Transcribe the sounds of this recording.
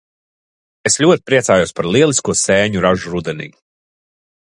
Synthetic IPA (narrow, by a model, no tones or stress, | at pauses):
esʎʲuɔt̪̚ʲpɾiɛsaːjusʲpaɾlˠiɛlˠiskuɔseːɲuɾaʒuɾud̪ɛnḭː